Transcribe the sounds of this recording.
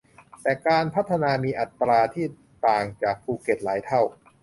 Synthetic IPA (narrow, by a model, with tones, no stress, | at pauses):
t̪ɛː˨˩kaː˧npʰa˦˥t̪ʰːa˧naː˧miː˧ʔa˨˩t̪ːɾaː˧t̪ʰiː˥˩ | t̪aː˨˩ŋt͡ɕaː˨˩k̚pʰuː˧ke˨˩t̪̚laː˩˦jt̪ʰa˥˩w